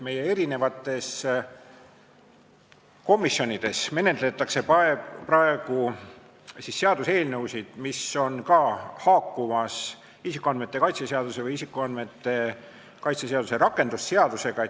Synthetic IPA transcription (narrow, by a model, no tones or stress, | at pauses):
me̞je̞e̞ɾine̞vɑt̪ːˑe̞s | ko̞mːisːjo̞nid̪̥e̞sme̞ne̞t̪ˑle̞t̪ːˑɑkse̞pɑeprɑe̞ɡ̥u | sisːe̞ɑd̪̥use̞ːlnɤwsid̪̥miso̞nkɑhɑːkːumɑs | isikːˑuɑnd̪met̪ˑːe̞kɑjt̪seseɑd̪use̞vɯjisikːˑuɑnd̪me̞t̪ːe̞ | kɑjt̪seseɑd̪use̞ɾɑkːˑe̞nd̪̥usːe̞ɑd̪̥use̞ɡ̥ɑ